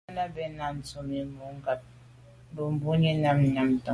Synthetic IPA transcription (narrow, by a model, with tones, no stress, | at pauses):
na˦bɛ˨na˨n˨t͡so˨mi˨m˦mu˨˦ŋ˦ɡa˨p̚ | m˦bo˨m˦bu˦ɲi˦na˦m˨ɲa˨m˨tɔ˨